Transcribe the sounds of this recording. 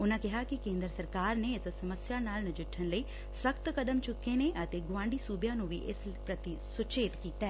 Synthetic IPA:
ʊnãːkɪɦakɪkẽːnd̪ɾəsəɾkaːɾneɪssəməsjaːnaːlnəd͡ʒɪʈʰːənləiː | səkt̪kəd̪əmt͡ʃʊkːeneʔət̪eːɡʊʋãːɳɖiːsuːbjãːnũːʋḭːʔɪs | pɾət̪i | sʊt͡ʃeːt̪kiːt̪aɛː

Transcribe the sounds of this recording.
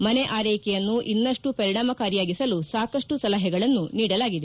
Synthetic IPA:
mɐneʔaːɾɐjkɛjɐnːuʔinːɐʂʈupɐɾiɳaːmɐkaːɾijaːɡisɐlusaːkɐʂʈusɐlɐɦɛɡɐɭɐnːuniːɽɐlaːɡid̪e

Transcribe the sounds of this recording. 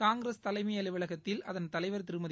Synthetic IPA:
kaːŋɡɪɾɐst̪ɐlɐɪmɐjɐlɪʋɐlɐɣɐt̪ːɪlɐðɐnt̪ɐlɐɪʋɐɾt̪ɪɾɯmɐð

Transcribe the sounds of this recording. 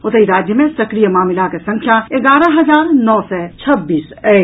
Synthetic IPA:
ʊt̪əiɾaːd͡ʒjəmẽsɐkɾijəmaːmɪlakesɐ̃ŋkʰjaeɡaːɾəɦɐzaːɾnɔːsɛt͡ʃʰɐbːiːs | ɛː

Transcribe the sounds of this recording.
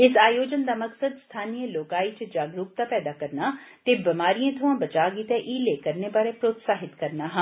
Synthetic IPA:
ɪsaːjoːd͡ʒənd̪amɐksəd̪st̪ʰaːnijəloːkaːit͡ʃəd͡ʒaːɡɾuːk̚t̪apɛːd̪akəɾnat̪ebɐmaːɾijẽt̪ʰʊãːbɐt͡ʃaːɡit̪eʔiːleːkəɾnebaːɾepɾoːt̪saːɦɪt̪kɐɾnaɦɐ̃ː

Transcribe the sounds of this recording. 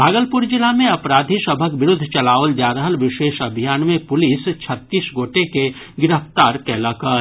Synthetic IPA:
bʱaːɡəlpʊɾd͡ʒɪlamẽɐpɾaːd̪ʱisəbʱəkʋɪɾʊd̪ʱt͡ʃɐlaːwəld͡ʒaːɾəɦəlʋɪʃeːʃɐbʱijaːnmẽpʊlɪst͡ʃʰət̪ːiːsɡoːʈeke | ɡɪɾəft̪aːɾkɛːlakəɾ

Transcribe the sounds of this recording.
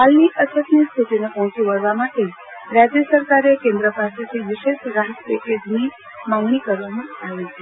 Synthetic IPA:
ɦalniʔəsʰət̪nist̪ʰuʈinepɔɦɔ̃t͡ʃuʋəɾʋamaʈe | ɾad͡ʒjəsəɾkaɾekẽnd̪ɾəpaset̪ʰiʋɪʃeʃɾaɦət̪peked͡ʒni | mãŋɡɳikəɾʋamãaʋet͡ʃʰe

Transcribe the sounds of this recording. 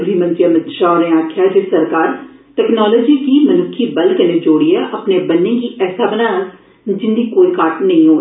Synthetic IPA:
ɾiːmə̃nt̪ɾijamət̪ʃaːnẽaːkʰɪjaːd͡ʒɪsəɾkaːɾʈɛːknɔːlɔːd͡ʒiːkiːmənʊkʰːiːbəlkənẽːd͡ʒoːɽijaʔəpneːbənːẽːkiːʔɛːsaːbənãː | d͡ʒɪnd̪iːkoːikaːʈnəĩːɦoː

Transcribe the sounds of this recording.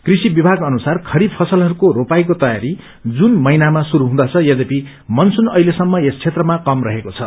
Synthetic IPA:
krisibibʱaɡʌnusarkʰʌɾid̪pʰʌsʌlɦʌɾukoɾopajk̬ot̪ʌjaɾi | d͡zunmʌjnamasuɾuɦũd̪ʌt͡sʰʌjʌd͡zepi | mʌnsunʌjlesʌmːʌest͡sʰet̪rʌmakʌmrʌɦekot͡sʰʌ

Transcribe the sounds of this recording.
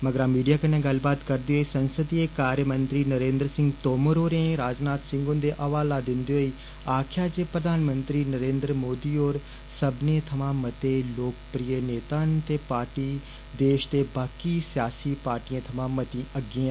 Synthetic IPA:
məɡəɾaːmiːɖijaːkənẽːɡəlbaːt̪kəɾd̪eːɦoiːsənsəd̪ieːkaːɾjəmənt̪ɾiːnəɾẽːnd̪ɾəsɪ̃ŋɡt̪oːməɾoːɾẽɾaːd͡ʒnaːt̪sɪ̃ŋɡʊ̃nd̪eːʔəʋaːlaːd̪ɪnd̪eɦoːiː | aːkʰjaːd͡ʒeːpɾəd̪ʱaːnmənt̪ɾiːnəɾẽːnd̪ɾəmoːd̪iːoːɾ | səbnẽːt̪ʰəmãːmət̪eːloːkpɾiːjəneːt̪aːnt̪eːpaːɾʈiː | d̪eːʃt̪eːbaːkiːsɪjaːsiːpaːɾʈiãːt̪ʰɐmãːmət̪ĩːəɡɪã

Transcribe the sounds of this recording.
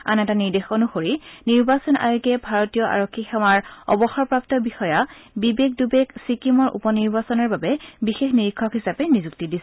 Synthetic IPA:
a̰nɛtaniɹdexonuxoɹiniɹbasɔna̰jokɛbʱaɹotijɔʔa̰ɹokʰːixɛwaɹɔ̰bɔxɔɹpɹap̚tɔbixɔjabibek̚dubeksikimɔɹʔṵpɔniɹbasɔnɔɹbabɛbixexniɹikʰːɔkɦisapɛnizuktidisɛ

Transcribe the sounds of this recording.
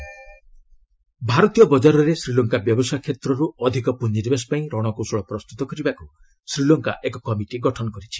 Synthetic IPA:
bʱaɾɔt̪ijɔbɔd͡ʒaɾɔɾesɾilɔŋkabjɔbɔsajkʰet̪ɾɔɾuɔd̪ʱikɔpuɲːid̪ibesɔ̥paĩɾɔɽ̃ɔkusɔɭɔpɾɔst̪ut̪ɔkɔɾibaku | sɾilɔŋka̰ʔekɔkɔmiʈiɡɔʈʰɔnɔkɔɾit͡ʃʰi̥

